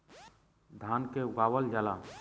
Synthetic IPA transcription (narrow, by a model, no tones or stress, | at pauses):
d̪ʱaːnkeʊɡaːwəld͡ʒalaː